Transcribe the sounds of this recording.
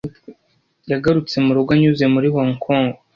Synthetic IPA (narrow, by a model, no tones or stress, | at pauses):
jaɡaɾut͡se̞muɾuɡwaɲuze̞muɾiβoŋkʰoːŋɡo